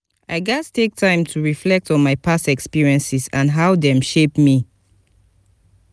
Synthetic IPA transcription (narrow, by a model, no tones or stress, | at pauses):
aɪɡastʰek̚tʰãɪ̃mtʰuɹiflɛk̚tɔ̃nmaɪpʰastɛkspiɹiɛ̃nsisãnɦawdɛ̃mʃepmi